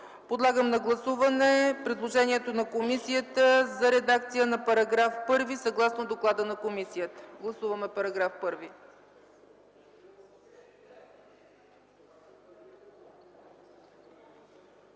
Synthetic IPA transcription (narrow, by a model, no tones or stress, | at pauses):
pod̪lˠaɡəmnɐɡlˠɐsuvɐnɛpɾid̪lˠoʒɛniɛt̪onɐkomisijət̪əzɐɾɛd̪akt̪sijənɐpɐɾɐɡɾafpɤɾvisɐɡlˠasnod̪oklˠad̪ənɐkomisijət̪ə̥ɡlˠɐsuvɐmɛpɐɾɐɡɾafpɤɾvi